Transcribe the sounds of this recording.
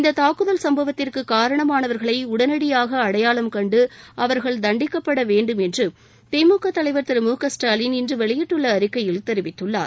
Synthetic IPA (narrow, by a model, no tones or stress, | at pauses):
ɪnd̪ɐt̪aːkɯðɐlsɐmbɐʋɐt̪ːɪrkɯkaːɾɐɳɐmaːnɐʋɐɾɣɐɭɐɪʊɽɐnɐɽɪjaːɣɐːɽɐjaːɭɐmkɐɳɖɯɐʋɐɾɣɐɭd̪ɐɳɖɪkːɐpːɐɽɐʋeːɳɖɯmɛndrɯ | t̪ɛmuːkːɐt̪ːɐlɐɪʋɐɾt̪ɪɾɯmuːkɐsʈaːlɪnɪndrɯʋɛɭɪjɪʈːɯɭːɐːɾɪkːɐjɪlt̪ɛɾɪʋɪt̪ːɯɭːa̰ːɾ